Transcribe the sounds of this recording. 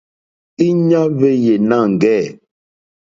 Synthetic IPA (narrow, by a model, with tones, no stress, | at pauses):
i˦ɲa˦ve˦je˨na˦˨ŋ̩˨ɡɛ˦˨